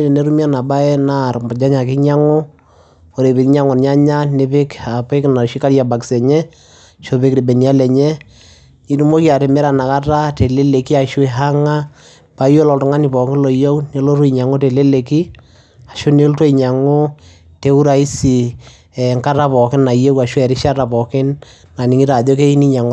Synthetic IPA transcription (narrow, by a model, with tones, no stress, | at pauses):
e˦ɾe˨ne˦ɾu˦mja˦na˨ba˦ɛ˦na˦˨rmɔ˨d͡ʒa˦ɲa˨k̬ɪ˦ɲa˦ŋo˦ | po˨ɾe˨bi˨˦ɲa˦ŋɔ˨nɲa˦ɲa˦ne˨˦pɪ˦ka˨pe˦kna˨ɾʃi˦ka˦ɾja˨ba˨kɪ̥˨sɛ˨ɲɛ˦ | ʃo˦pɪ˦kɾi˨be˨ni˨a˦lɛ˨ɲɛ˦ | i˦tu˦mo˦ki˦a˨ɾe˨mɛ˦ɾa˨na˨ka˦ta˦te˨le˦le˨ki˦a˨ʃu˦i˨ɦa˦ŋa˦ | pa˨˦jo˦lɔ˨tʊ˨ŋa˦ni˨pɔ˨kɪ˦lɔ˨jo˦wne˦lo˦ɾu˦i˨ɲa˨ŋo˦te˨le˦le˨ki˦ | a˨ʃo˦ne˦lto˦i˨ɲa˨ŋo˦ | te˦u˦ɾa˨i˦si˨ | ɛ˨ŋka˦ɾa˦pɔ˨kɪ˦na˨je˦ka˨ʃu˦ɛ˨ɾɪ˦ʃa˦ɾa˨pɔ˨kɪ˦n | na˨ni˨ŋi˦ɾa˨ðɔ˦ke˦i˦ni˦ɲa˨ŋɔ˨